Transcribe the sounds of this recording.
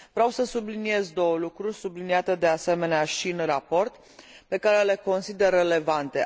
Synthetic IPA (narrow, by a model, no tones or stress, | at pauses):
vɾʲeawsəsublinie̞zd̪o̞wəlukɾurʲsubliniat̪e̞d̪e̞ase̞me̞neaʃiɨnrapo̞rt̪ | pe̞kaɾe̞le̞ko̞nsid̪e̞rːe̞le̞vant̪e̞